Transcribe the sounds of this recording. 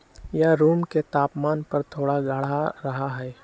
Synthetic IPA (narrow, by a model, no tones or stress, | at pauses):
jaɾuːmket̪aːpmaːnpɐɾt̪ʰoːɽaɡʱəɽaɾɐɦaɦɛː